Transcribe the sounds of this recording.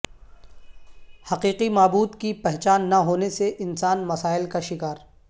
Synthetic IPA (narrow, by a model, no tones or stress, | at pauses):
hɐqiːqimaːbuːd̪kipɛɦt͡ʃaːnːaɦoːneseʔɪnsaːnmɐsaːɪlkaʃɪkaːɾ